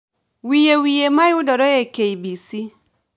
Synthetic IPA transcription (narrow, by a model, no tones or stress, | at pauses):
wijewijemajudɔɾɔjekeibisi